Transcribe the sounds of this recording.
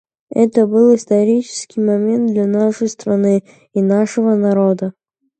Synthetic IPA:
ɛ̰t̪əbɨlˠɪst̪ɐɾʲit͡ɕɪ̥skʲɪjmɐmʲe̞nt̪̚d̪lʲanaʂəjst̪ɾɐnɨ | inaʂəvənɐɾod̪ə

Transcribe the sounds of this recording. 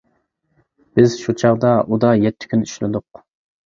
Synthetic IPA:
b̥ɪz̥ʃut͡ʃʰɑʁd̪ɑʔud̪ɑjɛt̪ʰːɪ̥kʲʰynyʃlɪ̰d̪ʊq

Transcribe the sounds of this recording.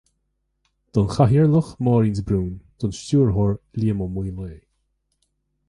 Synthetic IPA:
d̪̥ɔnxaɦiɹləxmɔːɾiːnsbɾuːnd̪̥ɔnʃtuːɹɦɔɹliːmɔmwiːleː

